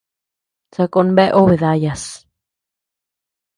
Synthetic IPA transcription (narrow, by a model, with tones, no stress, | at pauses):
t͡sa˧ko˧nbe˦ʔo˦βe˨d̪a˧ja˧˨s